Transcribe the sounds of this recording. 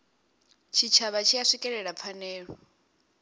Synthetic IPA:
t͡ʃʰit͡ʃʰaβat͡ʃʰijaʂikʼɛɺɛɺap̪fʰanɛːɺɔɔ

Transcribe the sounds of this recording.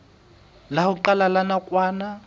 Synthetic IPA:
lahʊǃalalanakʼwaːna

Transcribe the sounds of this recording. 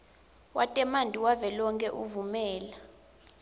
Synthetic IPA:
wa̰tʼɛmandʱʼiwavɛlɔŋkʼɛʔuvumɛːla

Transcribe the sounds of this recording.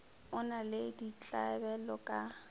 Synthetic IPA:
ʊnaledit͡ɬʼabɛlɔkʼa

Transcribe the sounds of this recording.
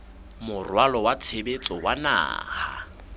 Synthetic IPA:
mʊrwalɔwat͡sʰebet͡sʼɔwana̰ːha̰

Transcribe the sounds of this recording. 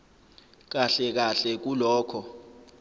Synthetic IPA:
k̬aɬɛk̬aɬɛk̬ulɔːkʰɔ

